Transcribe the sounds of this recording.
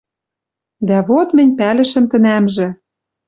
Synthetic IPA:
d̪æβot̪mɘ̆nʲpælɘ̆ʃɘ̆mt̪ɘ̆næmʒɘ̆

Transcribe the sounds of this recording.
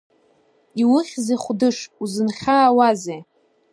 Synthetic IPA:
iwʊχʲzeχʷdɨʂuzɨnχʲaːwaze

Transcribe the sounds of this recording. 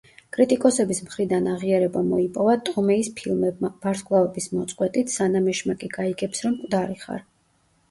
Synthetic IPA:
kʼɾit̪ʼikʼɔsɛbismχɾid̪anaʁiaɾɛbamɔipʼɔvat̪ʼɔmɛispʰilˠmɛb̚mab̥aɾskʰʼlˠaɛbismɔt̪sʼqʼwɛt̪ʼit̪ʰsanamɛʃmakʼiɡaiɡɛpsɾɔmkʼvd̪aɾiχa̰ɾ

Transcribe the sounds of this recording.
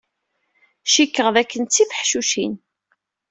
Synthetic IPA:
ʃikːəʁðækːənt͡sːifəħʃuʃin

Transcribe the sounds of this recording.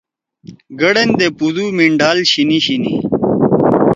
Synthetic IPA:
ɡɐɽend̪epud̪umiɳɖaːlɕiniɕinḭ

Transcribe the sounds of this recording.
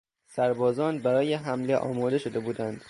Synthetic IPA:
sæɾbɒːzɒːnbæɾɒːjeɦæmle̞ʔɒ̰ːmɒːd̪e̞ʃo̞d̪e̞buːd̪ænd̪̥

